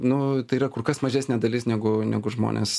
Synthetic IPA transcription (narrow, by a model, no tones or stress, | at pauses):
nʊt̪ɐɪiːrɐkʊɾkɐsmɐʒʲæːsʲnʲeːd̪ɐlʲɪsnʲɛɡʊnʲɛɡʊʒmo̰ːnʲḛs